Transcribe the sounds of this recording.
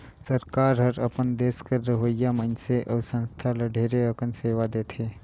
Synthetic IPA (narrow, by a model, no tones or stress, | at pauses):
səɾkaːɾɦəɾɐpənd̪eːskəɾːəɦəjamənseʔɐʋsə̃nst̪ʰaləɖʱeːɾeəkənseːʋad̪eːt̪ʰeː